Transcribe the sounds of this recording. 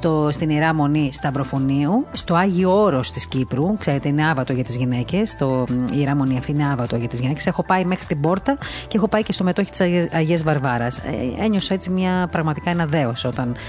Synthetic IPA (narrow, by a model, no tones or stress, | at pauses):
t̪ost̪iniɾɐmo̞nist̪ɐbɾo̞foniust̪o̞ɐʝiooɾo̞st̪iscipɾukse̞ɾe̞t̪eine̞ɐvɐt̪oʝɐt̪izʝine̞ce̞st̪oiiɾɐmo̞niɐft̪iineɐvɐt̪o̞ʝɐt̪izɣʝinece̞se̞xo̞pɐimexɾit̪ibo̞ɾt̪ɐceexo̞pɐicest̪o̞me̞t̪o̞çi̥t̪i̥sɐʝezvɐɾvɐɾɐsḛeɲo̞sɐe̞t͡simɲɐpɾɐɣmɐt̪ikɐenɐðe̞osio̞t̪ɐn